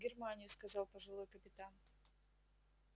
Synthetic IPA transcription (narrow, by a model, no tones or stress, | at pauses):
ɡʲɪrmanʲɪjʊskɐzɑlˠpɐʐɨlˠojkɐpʲɪt̪an